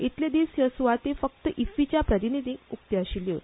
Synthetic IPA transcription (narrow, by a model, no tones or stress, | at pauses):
it̪led̪isjəsuʋat̪efək̚t̪əʔifit͡ɕjapɾət̪inid̪ʱiukt̪jəɕiljə